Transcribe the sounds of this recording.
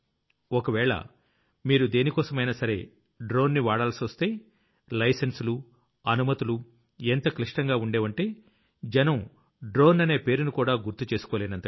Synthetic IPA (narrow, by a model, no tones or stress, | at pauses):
okɐʋɛːɭɐ̰ | miːɾud̪e̞ːnikɔːsɐmɐjnɐsɐɾe̞̰ː | ɖɾo̞ːnːiʋaːɽaːlsiʋɐst̪e̞ː | lɐjsensulu | ɐnumɐt̪ulu | ent̪ɐkliʂʈɐŋɡaːuɳɖeːʋɐɳʈe̞ː | d͡ʒɛnɐm | ɖɾo̞ːnɐne̞ːpe̞ːɾunukuːɽaːɡuɾt̪ːut͡ʃe̞ːsu̥koːleːnɐnt̪ɐ